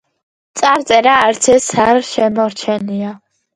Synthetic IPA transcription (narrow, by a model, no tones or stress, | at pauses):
t̪sʼaɾt̪sʼɛɾaːɾt̪sʰɛsaɾʃɛmɔɾt͡ʃʰɛnia